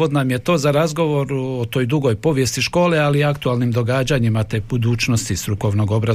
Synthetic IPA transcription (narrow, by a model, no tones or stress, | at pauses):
od̪namje̞t̪o̞ːzaɾazɡo̞ʋo̞ɾuot̪o̞ːjd̪uɡo̞jpo̞ʋjest̪iʃko̞ːlealiakt̪ualˠnimd̪o̞ɡaːd͡ʑaɲimat̪ebud̪uːt͡ʃno̞st̪ist̪ɾuko̞ʋno̞ɡo̞bɾa